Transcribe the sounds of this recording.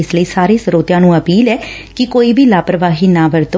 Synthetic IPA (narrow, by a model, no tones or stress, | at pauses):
ɪsləiːsaːɾẽːsəɾoːt̪jãːnũːəpiːlɛː | kɪkoːiːbʱiːlaːpəɾəʋaːɦiːnãːʋəɾt̪o